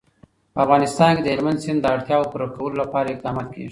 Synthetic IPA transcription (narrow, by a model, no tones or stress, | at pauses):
pəafɣɑnɪst̪ɑnked̪əɪlmand̪sɪnd̪d̪əaɽt̪jɑwopəɾokawəlolapɑɾaɪq̚d̪ɑmɑt̪kʰḛʐi